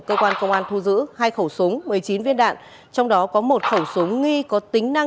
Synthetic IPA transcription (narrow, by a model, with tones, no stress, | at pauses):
kəː˧kwaː˧nkə˧wŋ͡mʔaː˧nt̪ʰu˧zɨ̰˧˥haː˧jxə˧˩wsʊ˨˦ŋ͡mmɨ˨˩əjt͡ɕi˨˦nvi˧ənɗa̰ː˧˨n | t͡ɕɔ˧wŋ͡mɗɔ˨˦kɔ˨˦mo˨˩t̚xə˧˩wsu˨˦ŋ͡mːi˧kɔ˨˦t̪ï˨˦ŋ̟na˧